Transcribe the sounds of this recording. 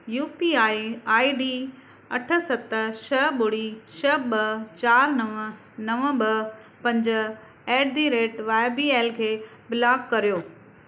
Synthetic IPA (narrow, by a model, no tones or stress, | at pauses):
juːpiaːiaːiɖiː | ɐʈʰə̆sɐt̪ʃɐɓʊɽiʃɐɓɐt͡ɕaːɾnɐʋə | nɐʋə̃ɓɐ | pɐ̃ɲd͡ʑə | eːɖd̪iɾeːʈʋaːɪbieːlkʰeːbɪlaːɡkɐɾijoː